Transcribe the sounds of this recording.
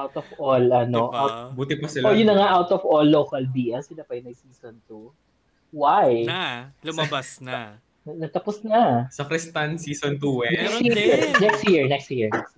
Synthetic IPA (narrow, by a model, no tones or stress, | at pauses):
ʔawt̪ɔvʔolɐnoʔawbuːt̪ɪpɐsɪloɹjʊnːɐŋaʔawt̪ɔvolːowkɐlbiːʔɐnsɪlapɐjʊnɐjsiːsont̪u | wajlʊmɐbasn | ɐnɐɡ̚t̪ɐposnɐsɐkɾɛst̪ɐnsiːsont̪uwɛnɛjiiɹnɛkst̪jiɹnɛkst̪jiɹɛ